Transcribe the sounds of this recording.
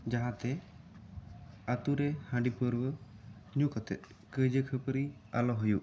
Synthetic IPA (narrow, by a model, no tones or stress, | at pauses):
d͡ʒaɦãt̪ɛ | at̪uɾɛhãɖipəɾwəɲukɔt̪ɛ̰t̪̚ˀ | kəd͡ʒəkʰəpəɾi | alɔɦujuʔ